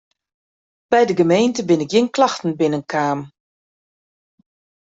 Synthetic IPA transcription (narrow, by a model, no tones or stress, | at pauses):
b̥ɛjdəɡəmejntəbɪnɪk̚jɪnklɑxtn̩bɪnənkʰaːm